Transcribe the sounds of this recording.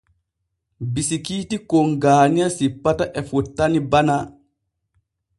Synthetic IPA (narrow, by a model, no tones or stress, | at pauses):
bisikiːtikoŋɡaːnijasipːataʔɛfutːanibana